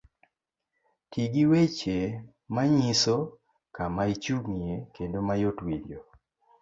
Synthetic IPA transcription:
tiɡiwet͡ʃe | maɲiso | kamait͡ʃuɡŋiekendomajotwiɾjo

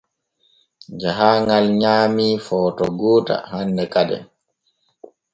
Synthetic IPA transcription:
d͡ʒaɦaŋɡalɲaːmifɔːtɔɡoːta̰handɛkadɛ̰

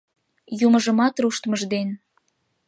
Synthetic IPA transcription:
juməʒəmɑt̪ruʃt̪məʒd̪en

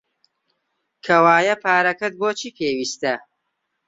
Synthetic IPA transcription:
kʰɐwaːjɐpʰaːɾɐkɐt̪̚boːt͡ʃʰiːpʰeːwiːst̪ɐ

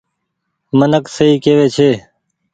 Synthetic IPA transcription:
mənəksəiːkeːʋeːt͡ʃʰeː

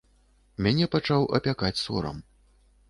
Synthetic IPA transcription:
mʲanʲɛpat͡ʂawʔɐ̰pʲakat͡sʲsɔ̰ɾɐ̰m

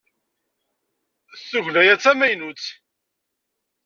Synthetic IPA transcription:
θːuʝlæjæt͡sːæmæjnut͡sː

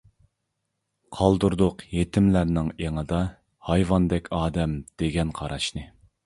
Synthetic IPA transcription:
qʰɑlˠd̪uɾd̪ʊqjet̪ʰɪmlæɾnɪŋeŋɨd̪ɑ | hɑjvɑnd̪ɛkʲʰɑːd̪ɛmd̪̥eɡʲɛnqʰɑɾɑʃnɨ

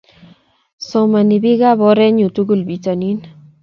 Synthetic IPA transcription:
sowmaniβiɣaβoɾeɲut̪uɣulbit͡sanin

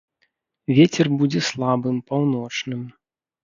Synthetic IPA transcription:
vʲet͡sʲɛrbud͡zʲɛslˠabɨmpawnɔt͡ʂnɨm

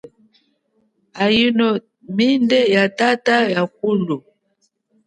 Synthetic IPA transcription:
ajinɔ | mindɛjatatajak̚ulu

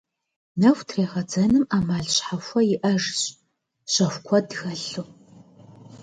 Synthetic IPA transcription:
nɐxʷtʰreːʁɐd͡zɐnɨmaːmaːɮɕħaxʷɐjɪʔɐʐɕʼ | ɕɐxʷkʷʰɔdxɐɬu

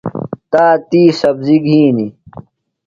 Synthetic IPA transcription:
t̪aːt̪iːsɐbziɡʱiːni

